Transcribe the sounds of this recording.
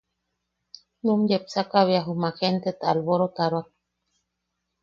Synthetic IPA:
nũmd͡ʒepsakaβiaɦumãxent̪et̪aalβoɾot̪aɾoak

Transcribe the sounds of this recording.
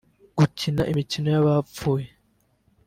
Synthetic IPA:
ɡ̥ucinaʔimicino̞jaβap͡fuːje

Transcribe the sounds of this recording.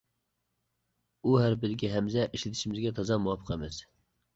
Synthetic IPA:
uɦæɾbɪɾɡʲiɦɛmzɛʔiʃlɪt̪ʰɪʃimɪzɡʲɛt̪ʰɑzɑmuwɑpʰːə̥qɛmɛs

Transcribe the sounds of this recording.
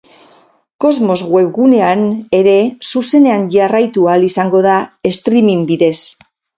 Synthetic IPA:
ko̞zmo̞zɣwe̞βɣune̞ane̞ɾe̞suse̞ne̞aɲʝarajt̪ualisaŋɡo̞ðae̞st̪ɾimimbiðe̞s

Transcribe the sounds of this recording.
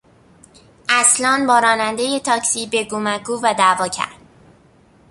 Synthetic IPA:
ʔæslɒːnbɒːɾɒːnænd̪e̞je̞t̪ʰɒːcsiːbe̞ɡomækuːvæd̪ævɒːcʰæ̰ɾd̪̥

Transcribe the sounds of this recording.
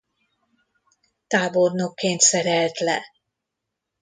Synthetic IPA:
t̪aːbornokːeːnt̪sɛɾɛlt̪lɛ̰

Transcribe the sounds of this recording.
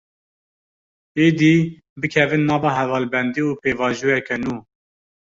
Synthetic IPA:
eːd̪iː | bɨkʰɛvɨnːɑːvɑːɦɛvɑːlbɛnd̪iːuːpeːvɑːʒuːjɛkɛnuː

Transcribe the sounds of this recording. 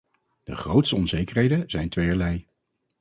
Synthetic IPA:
d̥əχrowtstəɔnzejkəɹɦejdəz̥ɛjntʋejəɹlɛj

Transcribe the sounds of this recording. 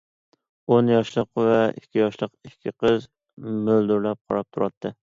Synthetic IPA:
onjɒʃlˠɨqvaɪ̰kʲʰːijɒʃlˠɨqɪkʲʰːɪqʰɨz | mɵld̪ʊɾlap̚qʰɑ̰ɾɑp̚t̪ʰʊɾɑt̪ʰːɪ

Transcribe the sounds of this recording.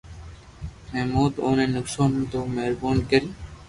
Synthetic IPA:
mɛːmuːd̪oːnenʊksoːnd̪omeɾboːnkeɾi

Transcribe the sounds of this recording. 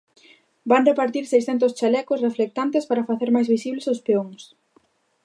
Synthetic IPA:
band̪epaɾt̪iɾsejsθɛnt̪̬ʊst͡ʃalɛkʊsreflek̚t̪ant̪espaɾɐfaθeɾmajzβisiβlesospeoŋs

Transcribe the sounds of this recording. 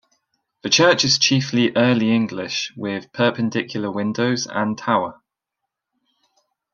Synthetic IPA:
ðət͡ʃʰɜˑt͡ʃɪz̥t͡ʃʰiˑfliʔɜːliɪ̃ŋɡlɪʃwɪð̥pʰɜˑpə̃ndɪkʰjl̩ˠəwɪ̃ndəʊzə̰̃ntʰaʊə

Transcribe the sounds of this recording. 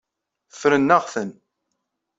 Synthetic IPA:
fɾənːaʁθən

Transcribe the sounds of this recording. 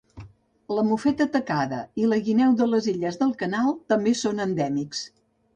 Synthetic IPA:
ləmufɛt̪ət̪əkaðə̰iləɣinɛwðələziʎəzðəlˠkənalˠt̪əmbesonənd̪ɛmiks

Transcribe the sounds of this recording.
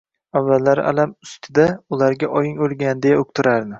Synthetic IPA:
avːalːaɾa̰lamʊst̪ʰɪd̪aʊlaɾɡʲaʔɒjɪŋolˠɡʲand̪e̞jaok̚ʲt̪ʰɪɾaɾnɪ

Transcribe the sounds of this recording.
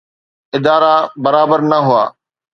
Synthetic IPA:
ɪd̪aːɾabɐɾaːbəɾnɐɦʊa̰ː

